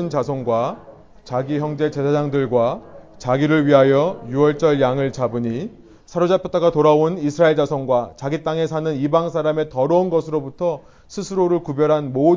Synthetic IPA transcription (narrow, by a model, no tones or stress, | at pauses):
ɯnt͡ɕasʰoŋɡwa | t͡ɕaɡiçjʌŋd͡ʑe̞t͡ɕe̞sʰad͡ʑaŋdɯɭɡwa | t͡ɕaɡiɾɯɭɥiɦajʌjuʌɭt͡ɕ͈ʌɭjaŋɯɭt͡ɕabuɲi | sʰaɾod͡ʑapʰjʌt͈aɡatoɾaonisʰɯɾaeɭd͡ʑasʰʌŋɡwat͡ɕaɡit͈aŋe̞sʰanɯnibaŋsʰaɾame̞tʌɾʌunɡʌsʰɯɾobutʰʌ | sʰɯsʰɯɾoɾɯɭkubjʌɾɦanmo